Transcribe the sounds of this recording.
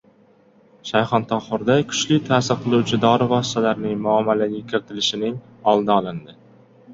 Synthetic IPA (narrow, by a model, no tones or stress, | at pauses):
ʃajχɒnt̪ʰɒχʊɾd̪akʰʊ̥t͡ʃlɪt̪ʰaːsɪɾqʰɨlˠuwt͡ʃʰɪd̪ɒɾɪvɒsɪ̥t̪ʰalaɾnɪŋmʊamːalaɡʲakʲʰɪɾɪt̪ʰɪlɪʃɪnɪŋ | ɒlˠd̪ɪɒlˠɪnd̪ɪ